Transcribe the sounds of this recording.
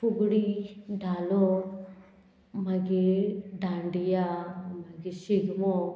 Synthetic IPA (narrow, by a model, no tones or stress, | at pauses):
puɡuɽiɖaːlo | mɐɡiɖaːɳɖijamɐɡiʃiɡmo